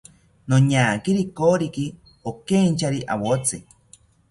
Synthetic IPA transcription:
noɲaːkiɾikoːɾiki | okeɲt͡ʃʰaɾiʔa̰wot͡sɨ

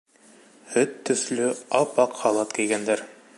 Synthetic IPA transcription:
hɵt̪ːɵ̆θlɵɑpɑqhɑlˠɑt̪kijɡænd̪æɾ

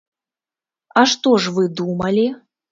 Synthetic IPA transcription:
aʂt̪ɔʐvɨd̪umɐlʲi

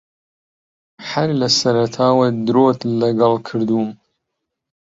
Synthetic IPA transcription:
ħɐɾlɐsɐɾɐt̪ʰaːwɐd̪ɾot̪lɐɡɐlˠkʰɨɾd̪um

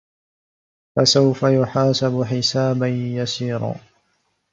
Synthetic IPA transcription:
fasawfajʊħaːsabʊħɪsaːbanjasiːɾˤɑ̰ː

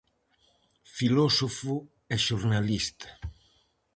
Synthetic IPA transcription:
filɔsofʊ | ɛʃoɾnalist̪ḁ

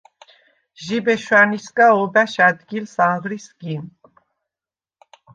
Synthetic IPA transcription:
ʒibɛʃwaniskʼaɔbaʃad̪ɡilsaŋʁɾisɡim

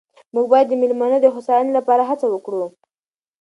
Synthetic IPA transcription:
muɡ̚bɑjad̪ːəmɪlmanəd̪əxʊsɑjɪnlapɑɾaɦat͡sawəkɽu

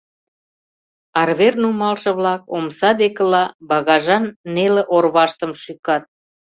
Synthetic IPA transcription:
ɑrβernumɑlʃɤ̆βlɑkomsɑd̪ekə̆lɑbɑɣɑʒɑnːelĕʔorβɑʃt̪əmʃykɑt̪̚

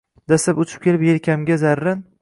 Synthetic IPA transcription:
d̪asapʊt͡ʃʰɪ̥p̚kʲe̞lɪpjelkʲamɡʲazaɾːan

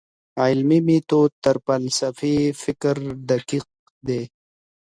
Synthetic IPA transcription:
aːɪlmimit̪ot̪əɾpɐlsɐfifɪkɾɖ̪ɐkiːq̚ | d̪eː

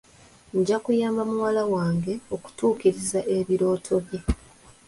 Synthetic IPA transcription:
ɲɟakujaːmbamuwalawaːŋɡe̞o̞ku̥tuːkiɾizaʔe̞βiɾo̞ːtʰo̞βje̞

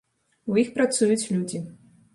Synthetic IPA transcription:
wjixpɾat̪sujut͡sʲlʲud͡zʲi

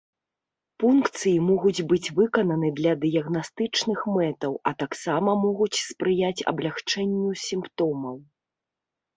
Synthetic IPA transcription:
funkt̪sɨjimɔɣud͡zʲbɨt͡sʲvɨkɐnɐnɨd̪lʲɐd̪ɨjɐɣnast̪ɨt͡ʂnɨxmɛt̪ɐwɐt̪aksamɐmɔɣut͡sʲspɾɨjat͡sʲɐ̰blʲaxt͡ʂɛnʲːusʲimpt̪ɔmɐw

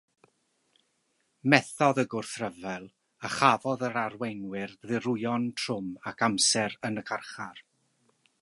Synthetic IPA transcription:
mɛθɔðəɡʊrθrəvɛlˠ | əχavɔðəɾarwejnwɪrðɪɾʊjɔntʰrʊmakʰamsɛɾənəkʰarχar

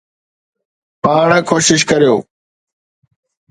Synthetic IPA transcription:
paːɳːkʰoːʃɪʃ̬kəɾjoː

